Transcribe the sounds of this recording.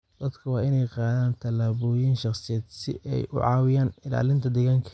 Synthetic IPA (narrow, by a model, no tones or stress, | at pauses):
d̪̥ɐd̪kʰɐwɑːɪnɛjqɑːðaːnt̪ʰɐlaːβɔːjiːnʃɑqsɪjɛːd̪sɪ̰ʔɛ̰jʔʊ̰ʕɑːwɪjaːnɪla̰ːlɪnt̪ʰɐd̪ɛɣaːŋkʰɐ̥